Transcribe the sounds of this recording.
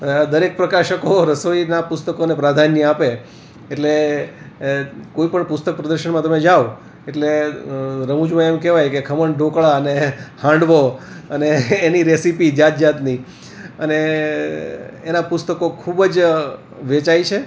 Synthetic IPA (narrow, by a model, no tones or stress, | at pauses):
d̪əɾek̚pɾəkaʃəkoɾəsoinapʊst̪əkonepɾad̪ʱanjəapeː | ʈle | koipəɳpʊst̪ək̚pɾəd̪əɾʃəɳmãt̪əmed͡ʒaʋ | eʈle | ɾəmud͡ʒmãemkɛʋajkekʰəməɳɖʱõkɭaənehãɳɖʋo | əneːniɾesipid͡ʒat̪̚d͡ʒat̪ni | əne | enapʊst̪əkokʰubəd͡ʒ | ʋet͡ʃajt͡ʃʰe